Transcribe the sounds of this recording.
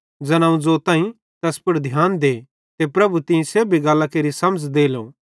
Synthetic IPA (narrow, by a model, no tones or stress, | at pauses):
d͡ʒɐnãũd͡ʒoːt̪ãːĩ | t̪ɛspʊɾd̪ʱjaːnd̪eː | t̪epɾɐbut̪ɪ̃ẽseːbʱiɡaːlːakeːɾisɐməd͡ʒd̪eːlõ̰ː